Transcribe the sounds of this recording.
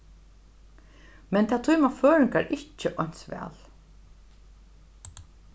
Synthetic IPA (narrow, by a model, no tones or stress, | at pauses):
mɛnt̪ʰat̪ʰujmaføːɹɪŋkaɹʔɪt͡ʃːəʔɔɲn̥sʋɛ̰ːl